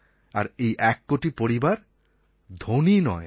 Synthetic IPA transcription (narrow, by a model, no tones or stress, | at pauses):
a̰ɾejʔɛkːoʈipoɾibaɾ | d̪ʱoninɔ̰e